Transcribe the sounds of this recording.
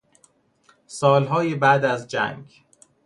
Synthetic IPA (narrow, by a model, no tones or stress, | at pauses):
sɒːlɦɒːjebæʔd̪æzd͡ʒæ̰ŋɡ